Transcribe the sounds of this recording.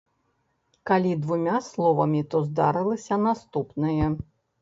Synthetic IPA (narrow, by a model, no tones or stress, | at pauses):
kalʲid̪vumʲaslˠɔvɐmʲit̪ɔzd̪aɾɨlˠɐsʲɐnast̪upnɨjɐ